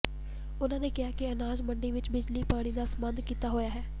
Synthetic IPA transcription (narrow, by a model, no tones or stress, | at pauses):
ʊnãːneːkɪɦaːkɪənaːd͡ʒməɳɖiːʋɪt͡ʃbɪd͡ʒliːpaːɽ̃iːd̪aːsəmənd̪kiːt̪aːɦoːjaːɦɛː